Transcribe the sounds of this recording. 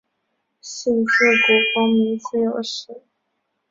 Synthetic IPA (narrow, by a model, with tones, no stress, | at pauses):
ɕi˥˩ns̩˥˩kwɔ˧˥kʊ˥ŋmi˧˥ŋt͡sɹ̩˥˩jo˨˩ʊʂ̩˨˩˦